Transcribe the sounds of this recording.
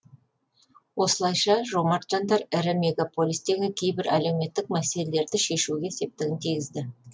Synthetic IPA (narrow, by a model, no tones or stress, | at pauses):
wo̞səlˠɑjʃɑʒo̞mɑɾt̪ʒɑnd̪ɑɾɪɾɪmʲe̞ɡapo̞lʲˠijst̪e̞ɡʲɪkʲʰejbɪɾæle̞wme̞t̪ːɪk̚mæse̞le̞le̞ɾd̪ɪʃe̞ʃuɡʲe̞ese̞p̚t̪ɪɡʲɪnt̪ʰijɡʲɪzd̪ɪ